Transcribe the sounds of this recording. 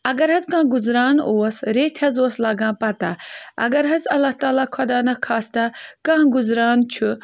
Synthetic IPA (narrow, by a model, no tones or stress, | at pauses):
ɐɡɐɾɦɐzkãːɡuzɾaːnoːɐsɾeːt̪ʰɐzoːslaːɡãːpɐt̪aɐ̰ɡɐɾɦɐzɐlːaht̪aːlaːkʰɔd̪aːnɐkʰaːst̪akãːɡuzɾaːnt͡ʃʰu